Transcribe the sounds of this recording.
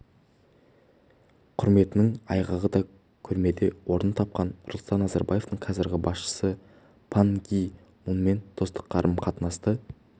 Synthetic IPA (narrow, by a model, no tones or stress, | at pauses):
qʰʊɾme̞t̪ɪnɪŋɑjʁɑʁəd̪ɑ | kʲʰʏɾme̞d̪e̞wo̞ɾənət̪ʰɑp̚qɑnʊɾlˠst̪ɑnːɑzɑɾbɑ̰je̞ft̪əɴqʰɑzɪɾɡʲɪbɑsʃə̥sə | pʰaŋɡʲij | mʊnəme̞nd̪̥ʰo̞st̪ə̥qʰːɑɾʔəmqʰɑt̪nɑst̪ə